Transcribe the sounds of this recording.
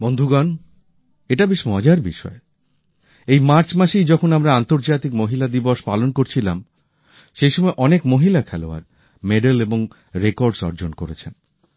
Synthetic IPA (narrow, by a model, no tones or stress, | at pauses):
bond̪ʱuɡan | eʈabeʃmɔd͡ʑaɾbiʃɔ̰e | ejmaɾt͡ɕmaʃejd͡ʑɔkʰonamɾaant̪oɾd͡ʑat̪ikmoɦilad̪ibɔʃpalonkoɾt͡ɕʰilam | ʃejʃɔmɔeʔɔnekmoɦilakʰɛloa̰ɾ | meɖeleboŋ | ɾekoɾɖsɔ̰ɾd͡ʑonkoɾḛt͡ɕʰen